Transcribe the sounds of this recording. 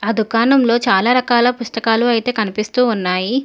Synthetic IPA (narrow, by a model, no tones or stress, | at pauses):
ɐd̪ʱukaːnɐmlo̞ːt͡ʃaːlaːɾɐkaːlɐpust̪ɐkaːluɐjt̪e̞ːkɐnipist̪uːunːaːji